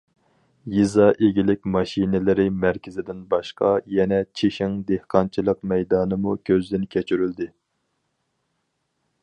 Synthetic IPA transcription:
jizɑʔeɡʲilɪkʲmɑʃinɪlɪɾɪmæɾkʲʰɪzɪd̪ɪnbɑʃqɑjɛnɛt͡ʃʰeʃɪŋd̪ehqʰɑnt͡ʃʰilˠəqmɛjd̪ɑːnɨmukʲʰøzd̪ɪnkʲʰɛt͡ʃʰyɾyld̪ɪ

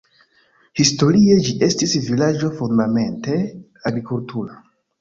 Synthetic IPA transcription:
histo̞ɾie̞d͡ʒiʔe̞stisvilad͡ʒo̞fondame̞nte̞ | aɡɾikultʰuɾa

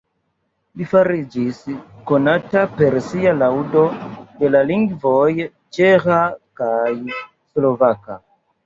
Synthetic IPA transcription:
lifaɾid͡ʒisko̞natape̞ɾsialawdo̞de̞laliŋɡvoj | t͡ʃexakaj | slo̞vaka̰

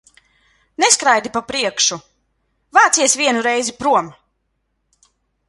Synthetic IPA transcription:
neskɾajd̪ipapɾiɛkʃu | vaːt̪siɛsvʲiɛnuɾɛjzipɾuɔm

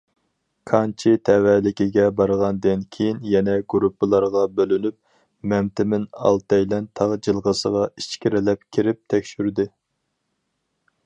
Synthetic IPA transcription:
kʰɑnt͡ʃʰit̪ʰɛwɛlɪkʲiɡʲɛbɑɾʁɑnd̪ɪnkʲʰejinjɛnɛɡuɾupːɨlˠɑɾʁɑbølynyp̚ | mɛmt̪ɪmɪnɑ̰lˠt̪ɑjlɛnt̪ʰɑʁd͡ʒɨlˠʁəsəʁɑit͡ʃkʲiɾɪlɛp̚kʲʰiɾɪp̚t̪ʰɛkʲʃyɾd̪ɪ

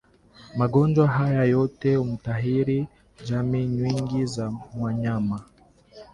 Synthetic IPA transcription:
maɡɔnd͡ʒwaɦajajɔtɛumutaɦiɾi | d͡ʒamiɲwiŋɡizamwaɲama

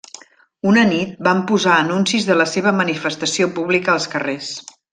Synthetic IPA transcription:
unənit̪̚bampuzaənunsizðələseβ̞əmənifəst̪əsiopuβlikəːlˠskəres

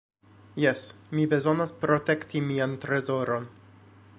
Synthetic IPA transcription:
jesmibe̞zo̞naspɾo̞te̞ktimiantɾe̞zo̞ɾo̞n

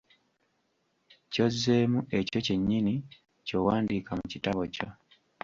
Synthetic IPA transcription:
co̞zːe̞ːmue̞co̞ce̞ɲːini | co̞waːndiːkamucitaβo̞co

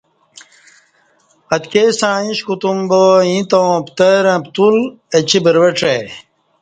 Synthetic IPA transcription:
ɐt̪kesãːĩɕkut̪umboĩt̪õw̃pt̪eɾɐ̃pt̪ul | et͡ɕibəɾwɐʈ͡ʂe

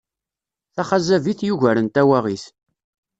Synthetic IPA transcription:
θæχazæviθjuʝæɾənt̪æwæʁiθ

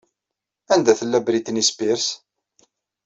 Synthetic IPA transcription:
ænd̪æθəlːæbɾit̪ːnispiɾs

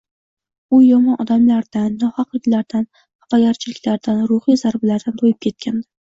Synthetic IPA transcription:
ʊjɒmɒnʔɒd̪amlaɾd̪anːɒhɑqlɪkʲlaɾd̪an | hapaɡʲaɾt͡ʃʰɪlɪkʲlaɾd̪anɾʊχhijzaɾbɪlaɾd̪ant̪ʰojɪp̚kʲʰe̞t̪̚kʲʰand̪ɪ

